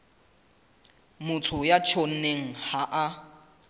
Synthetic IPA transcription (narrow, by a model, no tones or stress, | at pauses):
mʊtʰʊjat͡ʃʰon̩neŋ̩haʔa